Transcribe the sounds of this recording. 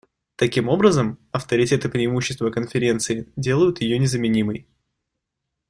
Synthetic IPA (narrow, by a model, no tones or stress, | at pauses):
t̪ɐkʲimo̞bɾəzəmɐft̪əɾʲɪtʲe̞t̪ɨpɾʲɪːmuɕːɪst̪vəkənfʲɪɾʲe̞nt̪sɨɪdʲe̞lˠəjʊt̪jɪjo̞nʲɪzəmʲɪnʲiməj